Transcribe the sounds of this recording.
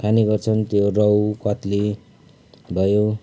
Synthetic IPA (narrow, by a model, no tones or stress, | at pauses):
kʰaniɡʌrt͡sʰʌnt̪jorʌwkʌt̪li | bʱʌjo